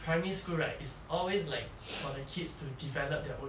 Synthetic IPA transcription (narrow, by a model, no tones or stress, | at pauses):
pʰɹãmiiskuɹatisɔlweslaɪk̚ | fɔdəkʰidstudivɛləp̚dɛʔõ